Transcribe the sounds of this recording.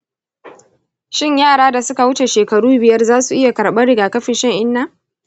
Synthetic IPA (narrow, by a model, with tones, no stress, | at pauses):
ʃɪ˦ɲjaː˦˨ɽaː˦da˨sʊ˦ka˨wʊ˦t͡ʃe˨ʃeː˨kɐ˨ɽuː˦bɪ˨jɐ˦rzaː˦su˨ʔɪ˦ja˨kɐ˨ɽɓɐ˦ɽɪ˨ɡaː˨kɐ˦ɸɪ˨nʃɐ˦ŋʔɪ˦nːa˦